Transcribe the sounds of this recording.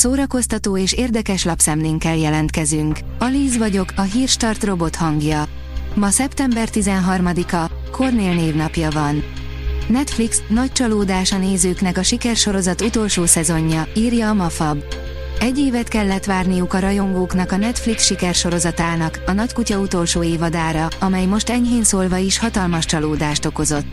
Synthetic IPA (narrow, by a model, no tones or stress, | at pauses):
soːɾɒko̞st̪ɒt̪oːeːʃeːrd̪ɛkɛʃlɒpsɛmleːŋkɛljɛlɛnt̪̚kɛzyŋk | ɒliːzʋɒɟo̞kɒɦiːrʃt̪ɒrt̪ro̞bo̞t̪hɒŋɡjɒ | mɒsɛpt̪ɛmbɛrt̪izɛnɦɒrmɒd̪ikɒkʰo̞rneːlneːvnɒpjɒvɒn | nɛt̪fliksnɒc̚t͡ʃɒloːd̪aːʃɒneːzøːkn̪ɛkɒʃikɛrʃo̞ɾo̞zɒt̪ut̪o̞lʃoːsɛzo̞ɲːɒiːrjɒːmɒfɒb | ɛɟːeːvɛt̪kɛlːɛt̪ʋaːrnijukɒɾɒjo̞ŋɡoːknɒkɒnɛt̪fliksʃikɛrʃo̞ɾo̞zɒt̪aːnɒkɒnɒckucɒut̪o̞lʃoːeːvɒd̪aːɾɒɒmɛjmo̞ʃt̪ɛɲɦeːnsoːlvɒiʃhɒt̪ɒlmɒʃt͡ʃɒloːd̪aːʃt̪o̞ko̞zo̞t̪ː